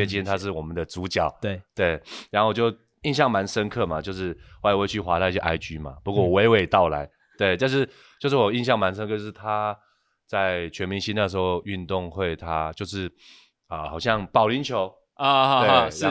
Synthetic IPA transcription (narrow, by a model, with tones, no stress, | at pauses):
ɛ˥nt͡ɕi˥nt̪ʰa˥ʂ̬ɻ̩˥˩wɔ˨˩mə˦nd̪ə˨˩t͡su˧˥t͡ɕjɑ˨˩˦ʊe˥˩t̪we˥˩ɪɻa˨˧˥nxo˥˩wo˨˩t͡ɕjo˥˧ʊ | i˥˧nɕjɑ˥˩ŋma˧˦nʂə˦nkʰɤ˥˩ma˨˩t͡ɕjo˥˧ʊʂɻ̩˥˩wwe˥˧ɪt͡ɕʰy˥˩xwa˧˥t̪ʰa˥i˥˩ɕjɛ˧ʔa˥ɪt͡ɕy˥ma̰˨pu˧kwɔ˥˩wɔ˨˩we˧˥ɪwe˨˩ɪt̪ɑ˥˩ʊla˧˦ɪ | t̪we˥˩ɪt̪ja˥˧nʂ̬ɻ̩˥˧ | t͡ɕjo˥˧ʊʂ̬ɻ̩˥˩wɔ˨˩i˥˧nɕjɑ˥˩ŋma˧˦nʂ̬ə˧˥nkʰɤ˥˧t͡ɕjo˥ʂɻ̩˥˩t̪ʰa˦ | t͡sa˥˩ɪt͡ɕʰɥɛ˧˥nmi˧˥ŋɕi˥na˥˩ʂ̬ɻ̩˧˥xo˥˧ʊy˥˧nt̪ʊ˥˧ŋxwe˥˩ɪt̪ʰa˥t͡ɕjo˥˧ʊʂɻ̩˥˩ | ə˨˩xɑ˨˩ʊɕjɑ˥˩ŋpɑ˨˩ʊli˧˥nt͡ɕʰjo˧˥ʊ˥˧˥